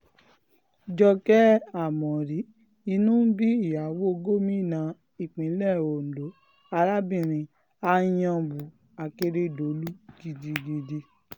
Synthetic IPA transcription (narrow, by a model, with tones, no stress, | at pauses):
d͡ʒɔ˧kɛ˦a˨mɔ̃˨ɾi˨˦ | i˧nũ˦bi˦i˦˨ja˨˦wo˦˧ɡo˦mĩ˦˨nã˨˧˦ | i˦˨k͡pĩ˨˦lɛ˦˨o˨n̩˨do˨˦ | a˧ɾa˦bĩ˦˨ɾ̃ĩ˧ | a˧jã˧bu˨ | a˨ke˧ɾe˦do˨˦lu˦ki˧˦di˧di˧de˧